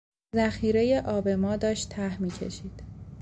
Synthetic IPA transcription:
zæxiːɾe̞je̞ʔɒːbe̞mɒːd̪ɒːʃt̪ʰːæhmiːcʰe̞̰ʃiːd̪̥

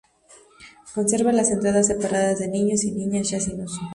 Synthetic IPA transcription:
ko̞nse̞ɾβalase̞nt̪ɾaðas̬ːe̞paɾaðazðe̞nĩɲosinĩɲasʝasinos

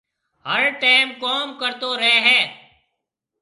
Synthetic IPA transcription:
həɾʈaɪmkɔːmkəɾt̪oːɾəɦeːɦɛː

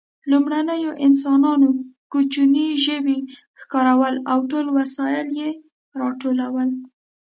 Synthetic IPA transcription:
lumɽanəjoʔɪnsɑnɑnokut͡ʃuniʒəwi | xkɑɾawəlawʈolwasɑjɪlje | ɾɑʈolawəl

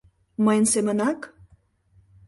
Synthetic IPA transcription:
məjnsemənak

